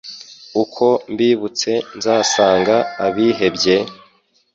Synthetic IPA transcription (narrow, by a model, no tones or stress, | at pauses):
ukʰo̞mbiːβut͡se̞nzaːsaːŋɡaːβiːɦe̞bɟe̞